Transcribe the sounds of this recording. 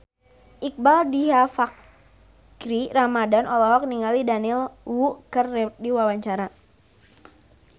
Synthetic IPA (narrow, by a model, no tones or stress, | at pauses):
ʔik̚baldiɦafak̚ː | ɾiramadanʔɔlɔɦɔk̚niŋalidanilwuʔkərːɛdiwawaɲt͡ʃaɾa